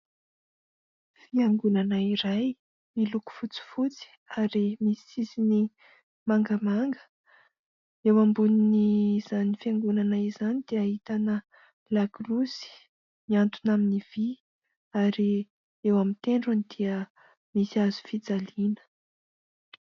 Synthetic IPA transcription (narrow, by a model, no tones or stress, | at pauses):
fiaŋɡunanəiɾaj | miluku̥fut͡si̥fut͡si̥ | aɾimisizini | maŋɡəmaŋɡə̥ | ewambuniniz̥anifiaŋɡunanaizanid̪̥eaɦit̪anə | lakrusi̥ | miant̪unaminiv̥i | aɾi | ewamint̪eɳɖ͡ʐunid̪iə | misiazu̥fid͡zalinə̥